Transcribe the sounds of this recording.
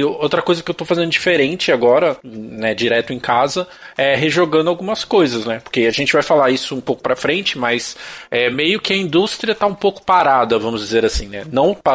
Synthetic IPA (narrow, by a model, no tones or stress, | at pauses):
owt̪ɾɐkojzɐkɪewt̪owfazẽnd̪ʊd͡ʒifeɾẽnt͡ʃɪaɡɔɾɐnɛd͡ʒiɾɛt̪ʊẽj̃kazɐ | ɛɦeʒoɡɐ̃nd̪ʊawɡũmɐskojzɐsnɛpo̥ɾkeaʒẽnt͡ʃɪvajfalaisʊũpowkʊ̥pɾɐfɾẽnt͡ʃɪmɐsɛmejʊkɪɐĩd̪ust̪ɾiɐt̪aũpowkʊ̥paɾad̪ɐvɐ̃mʊzd͡ʒizeɾasĩnɛnɐ̃w̃pa